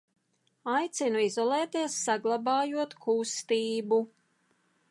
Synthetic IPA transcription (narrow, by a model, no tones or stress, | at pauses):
ajt̪sinuizɔlˠɛːt̪iɛsːaɡlˠɑbɑːjuɔt̪kʰust̪iːbu